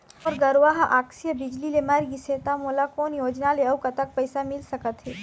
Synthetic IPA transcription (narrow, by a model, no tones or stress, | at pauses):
ɔːɾɡɐɾʋaːɦʔaːksijəbɪd͡ʒlilemaɾɡiseːt̪amoːlakɔːnjoːd͡ʒnaleɐwkat̪ɐk̚pɛɪsamɪlsɐkət̪ɦɛː